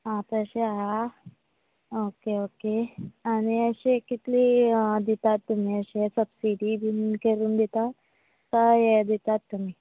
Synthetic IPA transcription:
ɦãt̪əɕeɦa | okeokeaɽ̃iəɕekit̪liːd̪it̪at̪ːum̤iːəɕesəbsiɖid̪inkeɾuːnd̪it̪a | səjed̪it̪at̪ːum̤iː

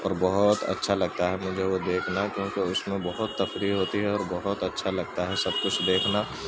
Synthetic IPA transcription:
ɔ̰ːɾbɔɦʊt̪ɐ̰tːʃʰalɐɡ̚t̪aɦɛmʊd͡ʒʱeʋod̪eːkʰnakjõːkeʊsmẽbɔɦʊt̪ːɐfɾiɦoːt̪iɦɛɔːɾbɔɦʊt̪ɐtːʃʰalɐɡt̪aɦɛsɐb̚kʊt͡ʃʰd̪eːkʰna

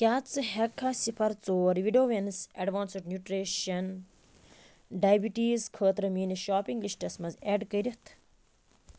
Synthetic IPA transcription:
kʲjaːt͡sɨɦɐkʰːasipʰɐɾt͡soːɾʋiɖoːʋensɐɖʋaːnseʈnʲjuːʈɾeːʃɐn | ɖaːjbiʈiːzkʰəːt̪ɾɐmiːniʃaːpiŋɡlisʈɐsmɐzeːɖkɐɾʲɐt̪ʰ

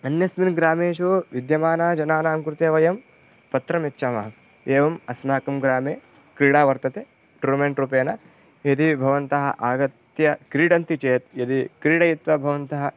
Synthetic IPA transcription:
ɐnjɐsminɡɾaːmeːʃuʋid̪jɐmaːnaːd͡ʒɐnaːnaːmkɾut̪jeːʋɐjɐm | pɐt̪ɾɐmetːʃaːmɐɦɐ | eːʋɐmɐsmaːkɐmɡɾaːmeː | kɾiːɽaːʋɐɾt̪ɐt̪eː | ʈuɾmeɳʈɾuːpeːnɐ | jɐd̪ibʱɐʋɐnt̪ɐɦɐ̰ʔaːɡɐt̪jɐkɾiːɖɐnt̪it͡ʃeːt̪jɐd̪ikɾiːɽɐjit̪ʋɐbʱɐʋɐnt̪ɐɦɐ

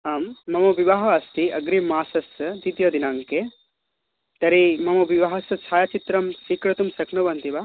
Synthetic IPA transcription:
aːmːɐmɐʋiʋaːɦɐʋaːst̪iɐɡɾimaːsɐsd̪it̪jɐd̪inaːŋke | t̪ɐɾimɐmɐʋiʋaɦɐsɐt͡ʃʰaːjat͡ʃit̪ɾɐmsiːkɾɐt̪umsɐknubɐnt̪iʋa

